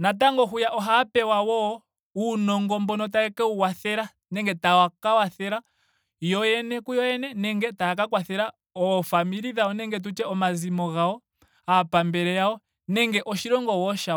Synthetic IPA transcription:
nat̬aŋɡɔɦujaʔɔɦapɛwawɔ | unɔŋɡɔmbɔnɔt̬aɛkɛuwaθɛɾa | nɛŋɡɛtawakawaθɛɾa | jɔjɛnɛkujɔjɛnɛnɛŋɡɛtaakakwaθɛɾa | ɔfamiɾiðaɔnɛŋɡɛt̬ut͡ʃɛɔmazimɔɣaɔ | apambɛɾɛjaɔ | nɛŋɡɛʔɔʃiɾɔŋɡɔwɔʃa

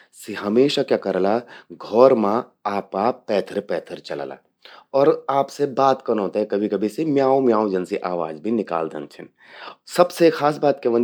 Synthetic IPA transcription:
seɦɐmeːʃakjaːkɐɾlaɡʱɔːɾmãaːpkapɛːt̪ʰəɾpɛːt̪ʰəɾt͡ʃɐl̰la̰ | ɔːɾaːpsebaːt̪kɐnɦoːt̪aɦɛkɐbʱikɐbʱisemjaːõmjaːõd͡ʒɐnsiʔaːʋaːd͡ʒbʱinɪka̰ːld̪ə̰̃nt͡ʃʰən | sɐbsexaːs̬baːt̪keʋɐ̃n

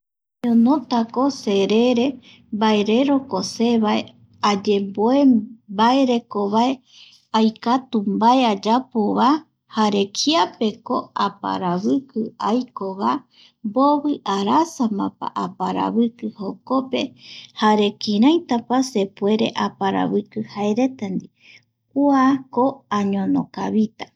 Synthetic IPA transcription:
ɲõnõt̪ako̞se̞ɾe̞ɾe̞ | baeɾe̞ɾo̞kose̞βae | ad͡ʒe̞mboebaeɾe̞koβae | ajkat̪umbaead͡ʒapoβa | haɾe̞kʰiape̞ko̞apa̰ɾaβɨkɨajkoβa | mboβɨʔaɾasamãpa̰ʔapaɾa̰βɨkɨho̞ko̞pe̞haɾe̞kiɾãjt̪apase̞pue̞ɾe̞̰ʔapaɾa̰βɨkɨhaeɾe̞t̪and̪i | k̚uakoaɲõnokaβit̪a

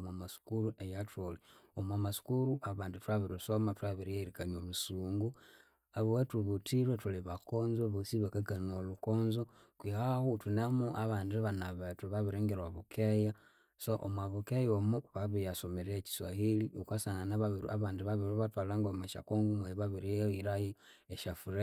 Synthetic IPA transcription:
mamasu̥kuɾuʔejatoleomwamasu̥kuɾuʔaβaːnditwaβiɾisomatuaβiɾieɾikaɲolusuːŋɡu | aβuwetuβutʰiɾwetuliβakoːnzoβosiβekaɡanolukonzo | kwihahutunamuʔaβaːndiβanaβetuβaβiɾeːŋɡeɾwaβukeja | soʔo̰mwaβukejomuβaβijasomeɾeci̥swahiliokasananaβaβiɾaβaːndiβaβiɾuβatwalaŋɡomaʃa̰koŋɡumueβaβiɾiiɾaji | eʃafuɾe

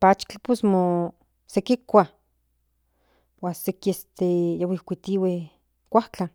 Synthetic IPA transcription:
pat͡ʃt͡ɬposmo | sekikʷa | wasekiest̪ejawikʷit̪iwe | kʷaht͡ɬa

